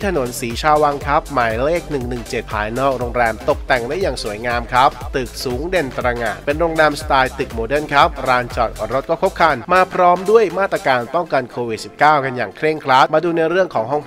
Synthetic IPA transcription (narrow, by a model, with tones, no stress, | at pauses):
t̪ʰno˩˦nsiː˩˦t͡ɕʰaː˧wa˧ŋkʰa˦˥p̚maː˨˩jleː˥˩k̚nɯ˨˩ŋnɯ˨˩ŋt͡ɕe˨˩t̪̚pʰaː˨˧˩jnɔː˦˥˩k̚ɾo˧ŋɾɛː˧mt̪o˨˩k̚t̪ɛ˨˩ŋda˥˩jaː˨˩ŋsuː˨˩˦əjŋaː˧mkʰa˦˥p̚t̪ɯ˨˩k̚suː˩˦ŋde˧nt̪ɾa˧ŋaː˨˩t̪̚pe˧nɾoː˧ŋɾɛː˧mst̪aː˧jt̪ɯ˨˩k̚moː˧dɤ˥˩˨nkʰa˦˥p̚ɾaː˧nt͡ɕɔː˨˩t̪̚ɔ˧˩ɾo˦˥t̪̚kɔː˥˩kʰo˦˥p̚kʰa˧nmaː˧pʰɾɔː˦˥mdu˥˩əjmaː˥˩t̪ːɾaː˧kaː˧npɔ˥˩ŋka˧nkʰoː˧wi˨˩t̪̚si˨˩p̚kaː˥˩wka˧njaː˨˩ŋkʰɾe˥˩ŋkʰɾaː˦˥t̪̚maː˧duː˧na˧jɾɯ˥˩əŋkʰɔː˩˦ŋɦɔ˥˩ŋpʰ